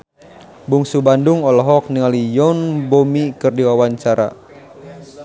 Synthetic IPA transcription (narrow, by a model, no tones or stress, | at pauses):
buŋsubanduŋɔlɔɦɔk̚niŋalijɔnbomikɨrdiwawaɲt͡ʃaɾa̰